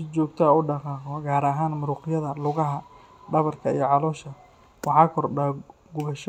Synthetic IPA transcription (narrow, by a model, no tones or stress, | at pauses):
sɪt͡ʃɔːɡ̚t̪ʰɐʊɖɑqɑːqɔɡaːɾɐɦaːnmʊɾuːqɪjɐðɐlʊɣɐɦɐ | ɖɐβɐrkʰɐḭjɔʕɑlɔːʃɐ | wɑħɑːkʰɔrɖaː | ɡʊβɐʃ